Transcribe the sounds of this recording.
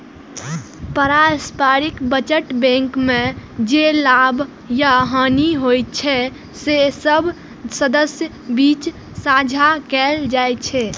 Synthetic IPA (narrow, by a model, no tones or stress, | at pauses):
pəɾaspaɾikbət͡ʃəʈbɛ̃ŋkmẽd͡ʒelab | jaɦəniɦojt̚t͡ʃʰɛ | sesəbʱ | səd̪əsjə | bit͡ʃ | sad͡ʒʱakɛld͡ʒajt͡ʃʰɛ